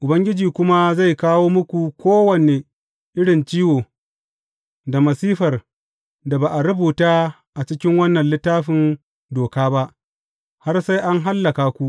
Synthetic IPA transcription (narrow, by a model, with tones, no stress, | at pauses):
ʔʊ˨bɐ˦ŋɡʲɪ˦d͡ʒiː˨kʷʊ˦ma˦za˦˨jkaː˦woː˦mʊ˦kʷu˨kʷoː˦wɐ˨ne˨ | ʔɪ˦ɽɪ˨nt͡ʃiː˦woː˨ | da˨mɐ˨siː˦ɸɐ˨r | da˨baː˨ʔa˨ɽʊ˦buː˨taː˦ | ʔa˨t͡ʃɪ˦kʲɪ˦ŋwɐ˦nːɐ˨nlɪ˦tːaː˦ɸɪ˨n | doː˨kaː˦ba˦ʔ | ha˦rsa˦jʔa˦ŋɦa˦lːɐ˨kaː˨kʷu˦ʔ